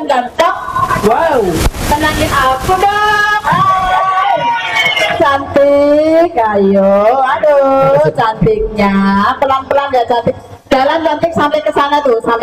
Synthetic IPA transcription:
nd͡ʒant̪ɔk̚wawmənaŋɪnakuda | t͡ʃant̪ikajɔadot͡ʃant̪ɪk̚ɲapəlanpəlanjat͡ʃant̪ɪk̚ | d̥a̤lant͡ʃant̪ɪksampɪŋkəsanat̪usa

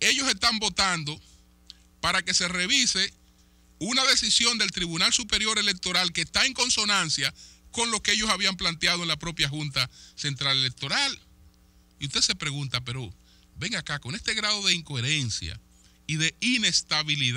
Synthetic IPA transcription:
e̞ʝo̞se̞st̪ambo̞t̪and̪o̞ | paɾake̞se̞re̞βise̞ | unaðe̞sisjo̞nd̪e̞lt̪ɾiβunalsupe̞ɾjo̞ɾe̞le̞k̚t̪o̞ɾalke̞ːst̪ae̞ŋko̞nso̞nãnsjako̞nlo̞kee̞ʝo̞saβiamplant̪jaðoe̞nlapɾo̞pjaxunt̪ase̞nt̪ɾale̞le̞k̚t̪o̞ɾal | iust̪ese̞pɾe̞ɣunt̪ap̬e̞ɾo̞ | βe̞ŋakako̞ne̞st̪e̞ɣɾaðo̞ðeiŋko̞eɾe̞nsja̰ | iðe̞ine̞st̪aβilið

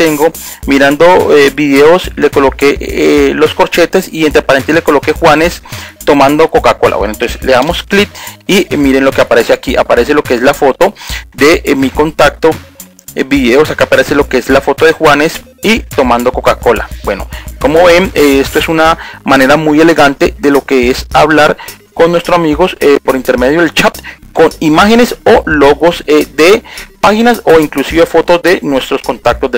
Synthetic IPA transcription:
t̪e̞ŋɡo̞ | miɾand̪o̞ebiðeoslekolokelo̞sko̞ɾt͡ʃe̞t̪esient̪ɾeapaɾent̪ele̞koloke̞xwane̞st̪o̞mãnd̪oko̞kako̞la̰βwḛnoent̪onseleðamo̞sklit̪̚imiɾenlo̞keapaɾe̞seakiʔa̰paɾe̞s̬elo̞keeslafo̞t̪o̞d̪emiko̞nt̪ak̚t̪o | biðeosakapaɾeselo̞keeslafo̞t̪o̞ðe̞xwane̞s | it̪o̞mãnd̪o̞ko̞kako̞la̰bwe̞no̞̰ko̞moβeeest̪oe̞sunamane̞ɾamuje̞le̞ɣant̪e̞ðe̞lo̞ke̞esaβlaɾ | ko̞nːwest̪ɾosamiɣo̞sepo̞ɾint̪e̞ɾme̞ð̞joðelt͡ʃat̪ko̞nimaxe̞ne̞solo̞ɣo̞sed̪e̞paxinaso̞iŋklusiβe̞fo̞t̪o̞zd̪e̞nwe̞st̪ɾo̞sko̞nt̪ak̚t̪o̞zd̪e

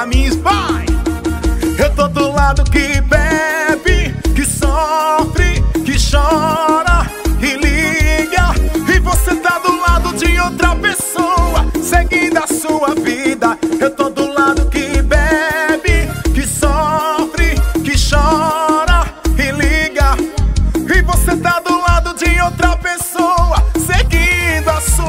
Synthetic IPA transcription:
amĩspaj̃ | ewt̪od̪ʊlad̪ʊkɪbɛbɪkɪsɔfɾɪkɪʃɔɾɐɪliɡɐɪvoset̪ad̪ʊlad̪ʊd͡ʒɪowt̪ɾɐpesowɐseɡĩd̪ɐsuɐvid̪ɐewt̪od̪ʊlad̪ʊkɪbɛbɪkɪsɔfɾɪkɪʃɔɾɐɪliɡɐ | ɪvoset̪ad̪ʊlad̪ʊd͡ʒɪowt̪ɾɐpesowɐseɡĩd̪ʊɐsu

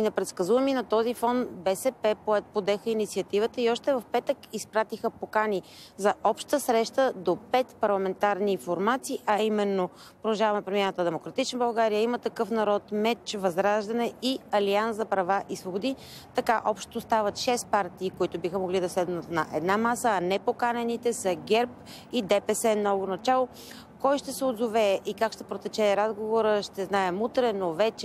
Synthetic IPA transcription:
inɐpɾɛt̪skɐzuvɐminɐt̪ɔzifɔnbɛsɛpɛpɛpod̪ɛxəinit̪siət̪ivət̪əiɔʃt̪ɛvɐfpɛt̪əkispɾat̪ixəpokani | zɐʔɔpʃt̪əsɾɛʃt̪əd̪opɛt̪pɐɾlˠɐmɛnt̪aɾnifoɾmat̪siːʔɐimɛnːo | pɾoɐʒavɐmɛpɾomʲiɛɾət̪əd̪ɛmokɾɐt̪it͡ʃnəbɐlˠɡaɾijəimət̪ɐkɤfnɐɾɔt̪mɛt͡ʃvɐzɾaʒd̪ɐnɛiɐlianszɐpɾɐvaʔisvobod̪i | t̪ɐkaʔɔpʃtt̪ost̪avət̪ʃɛst̪̚paɾt̪iːkoit̪ʊbixəmoɡlid̪ɐslɛd̪nət̪nɐʔɛd̪namasəːnɛpokanɛnit̪ɛsɐɡɛɾp̚ | id̪ɛpɛsɛnɔvonɐt͡ʃalˠo | kɔjʃt̪ɛsɛod̪zovɛːʔikakʃt̪ɛ̥pɾot̪ɛt͡ʃɛɾazɡovoɾəʃt̪ɛznaɛmut̪ɾɛnovɛt͡ʃɛ

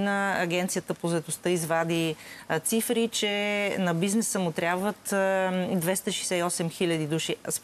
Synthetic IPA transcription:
nəːɡʲɛnt̪sijət̪əpozɐɛt̪ost̪ɤizvad̪it̪sifɾit͡ʃɛnɐbiznɛsəmʊt̪ɾʲabvət̪d̪vɛst̪əʃɛjsɛiɔsɛmxilʲəd̪id̪uʃis

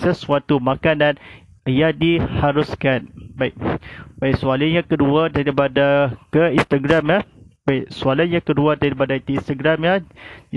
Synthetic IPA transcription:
səsuat̪umãkanãn | jadihaɾuskanbaik̚baisualaɲãkəduadaɾipadakəĩnst̪aɡɾamjabaiʔsualaɲãkəduadaɾipadait̪iĩnst̪aɡɾamja

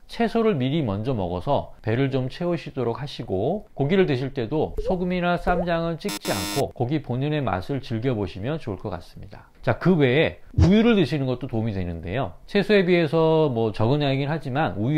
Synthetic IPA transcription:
t͡ɕʰe̞sʰoɾɯɭmiɾimʌnd͡ʑʌmʌ̰ɡʌ̰sʰʌpe̞ɾɯɭt͡ɕomt͡ɕʰe̞oɕʰidoɾok̚hʰaɕʰiɡokoɡiɾɯɭdweɕʰiɭt͈e̞dosʰoɡɯmiɾas͈amd͡ʑaŋɯnt͡ɕ͈ik̚t͡ɕ͈ia̰nkʰokʌɡiponɯne̞ma̰sʰɯɭt͡ɕɯɭɡjʌboɕʰimjʌnt͡ɕoɯɭk͈ʌk͈a̰s͈ɯ̥mɲida | t͡ɕakɯwe̞ː | ujuɾɯɭnɯɕʰinɯnɡʌt̚t͈otomidwe̞nɯnde̞̰jot͡ɕʰe̞sʰoe̞biɦe̞sʰʌmwʌt͡ɕʌɡɯnaeɡinɦad͡ʑimanuju

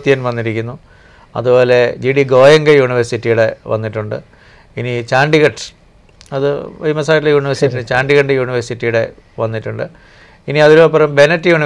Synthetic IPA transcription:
t̪ːijɐnʋɐnːiɾikʲːunːu | ɐ̰ðubo̞ːle̞d͡ʑiɽiɡo̞ːjɐŋɡɐjuːɳiʋɐrsitːijuɽe̞ʋɐ̰nːiʈːuɳɖɨ̰ | init͡ɕaːɳɖiɣɐʈ | ɐðɨʋɐjmɐs̬aːʈilejuːɳiʋɐrsitːinɨt͡ɕaːɳɖiɣɐɳɖɨjuːɳiʋɐrsitːijuɽe̞̰ | ʋɐnːiʈːuɳɖɨ | iniɐðiɾoːpːɐrɐmbenɐtːɨjuːni

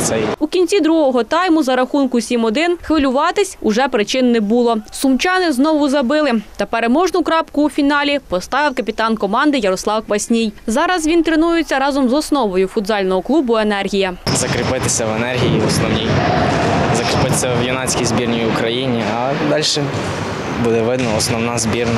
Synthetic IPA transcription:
t̪sɛjukʲinʲt͡sʲid̪ɾuɦɔɦɔt̪ɑjmʊzɐɾɐxunkʊsʲimɔd̪ɪnxʋɪlʲʊʋɑt̪ɪsʲʊʒɛpɾɪt͡ʃɪnːɛbulˠɔsʊmt͡ʃɑnɪznɔʋʊzɐbɪlˠɪt̪ɐpeɾemɔʒnʊkɾɑpkʊːfʲinɑlʲipɔst̪ɑʋɪwkɐpʲit̪ɑnkɔmɑnd̪ɪjɐɾɔslˠɑwkʋɐsʲnʲijzɑɾɐzʋʲint̪ɾenujʊt͡sʲːɐɾɑzɔmzɔsnɔʋɔjʊfʊd̪zɑlʲnɔɦɔklˠubʊenɛrɦʲijɐzɐkɾɪpɪt̪ɪsʲɐʋenɛrɦʲijiɔsnɔwnʲij | zɐkɾɪpɪt̪sʲɐʋjɔnɑt͡sʲkʲijzbʲirnʲijʊkɾɐjinʲiɐ | d̪ɑlʲʃɛ | bud̪ɛʋɪd̪nɐɔsnɔwnɑzʲbʲirnɐ

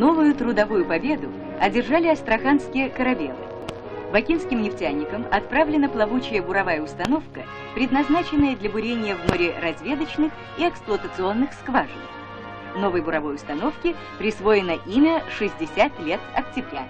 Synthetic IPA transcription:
no̞vʊjʊt̪ɾʊd̪ɐvujʊpɐbʲe̞d̪ʊ | ɐdʲɪrʐalʲɪɐst̪ɾɐxanskʲɪjəkəɾɐbʲḛlˠɨ̰ | bɐkʲinskʲɪmnʲɪftʲanʲːɪkəmɐt̪̚pɾavlʲɪnəplˠɐvut͡ɕɪjəbʊɾɐvajəʊst̪ɐno̞fkə | pɾʲɪd̪nɐznat͡ɕɪnːəjəd̪lʲɐbʊɾʲenʲɪjəvmoɾʲɪɾɐzʲvʲe̞d̪ət͡ɕnɨx | iɛksplˠʊət̪ət̪sɨo̞nːɨxskvaʐɨ̰n | no̞vəjbʊɾɐvo̞jʊst̪ɐno̞fkʲɪ | pɾʲɪsvo̞jɪnəʔimʲəʂɨzʲdʲɪsʲat̪lʲe̞t̪ɐ̰ktʲɪbɾʲa̰

